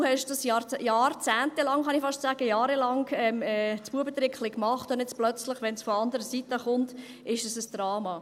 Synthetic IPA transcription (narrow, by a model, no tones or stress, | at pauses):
uhɛʃtd̥ɑsjɑjɑːɾt͡sæːntelɑŋχɑnifɑʃtsæːɡ̥əjɑːɾelɑŋɛmɛt͡sb̥uəbət̪ɾɪkχlɪkːmɑχtʊndɛt͡splœt͡slɪχʋɛnsfɔɑndəɾəsitəχʊnt | ɪʃəsəsd̥rɑːmɑ